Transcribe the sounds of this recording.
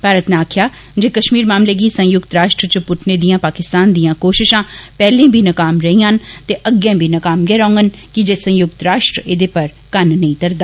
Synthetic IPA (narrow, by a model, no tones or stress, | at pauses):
paːɾət̪neaːkʰjaː | d͡ʒeːkəʃmiːɾmaːmleːɡiːsə̃jʊkt̪ɾaːʃʈɾət͡ʃəpʊʈʰneːd̪ijãːpaːkɪst̪aːnd̪ijãːkoːʃɪʃãːpɛːlẽːbʱiːnəkaːmɾəĩːant̪eːʔəɡjãːbʱiːnəkaːmɡɛːɾãːŋɡənkɪd͡ʒeːsə̃jʊk̚t̪ɾaːʃʈɾəed̪eːpəɾ | kənnə̃ĩːt̪əɾd̪aː